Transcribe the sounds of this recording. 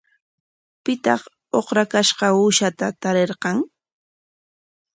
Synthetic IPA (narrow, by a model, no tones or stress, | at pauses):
pɪt̪ɑχ | oχɾakaʃɢɑuʃat̪at̪aɾeɾqɑŋ